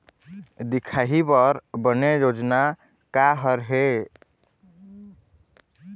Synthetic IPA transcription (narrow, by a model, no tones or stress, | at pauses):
d̪ikʰaɦipəɾbənejod͡ʒna | kaɦəɾɦe